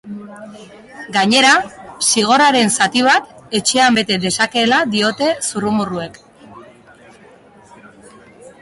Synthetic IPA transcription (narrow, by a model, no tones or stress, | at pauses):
ɡaɲe̞ɾasiɣ̞o̞ɾaɾe̞nsat̪iβ̞at̪e̞t͡ʃe̞ambe̞t̪e̞ðe̞sake̞ːlad̪io̞t̪e̞surumurue̞k